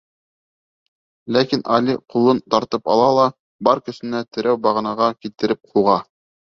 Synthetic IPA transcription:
lækinʔɑlʲiqulˠɤnt̪ɑɾt̪ɤpɑ̰lˠɑlˠɑ | bɑɾkɵ̆sɘ̆næt̪ɘ̆ɾʔæwbɑʁ̆nɑʁɑkilt̪ɘ̆ɾɘp̚qʰuʁɑ

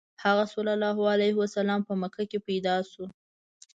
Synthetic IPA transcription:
haɣasolalɑɦalajɦwasalɑmpəməkʰakepajd̪ɑsu

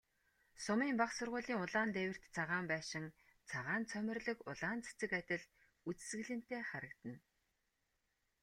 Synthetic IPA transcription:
sʊmiːmpaχsʊrʁʊːɮiːŋʊɮaːnt̪ewʲɪ̆r̥t̪t͡sʰaʁaːmpæːʃɪ̆ŋ | t͡sʰaʁaːnt͡sʰœmʲɪ̆rɮɵ̆kʊɮaːnt͡sʰe̥t͡sɘ̆kat̪ʲɪ̆ɮ | ut͡sɘ̥̆sɡɘ̆ɮɘ̆n̥t̪eːχaɾə̆kt̪ə̆n

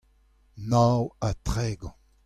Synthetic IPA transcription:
nawat̪ʁɛːɡɔ̃

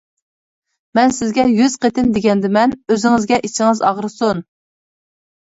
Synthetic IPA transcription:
mɛnsɪzɡʲɛjyz̥qet̪ʰɪnd̪eɡʲɛnd̪ɪmɛnøzɪŋɪzɡʲɛʔit͡ʃʰɪŋɨzɑʁɾɨsun

